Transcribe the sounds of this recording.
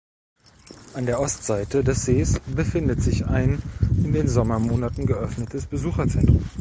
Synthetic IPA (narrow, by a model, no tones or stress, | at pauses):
ʔandeːɐʔɔstz̥aɪtədɛsz̥eːsb̥əfɪndətz̥ɪça̰ɪnʔɪndeːnzɔmɐmoːnatn̩ɡəʔœfnətʰəsb̥əzuːxɐt͡sɛntʁ̥ʊm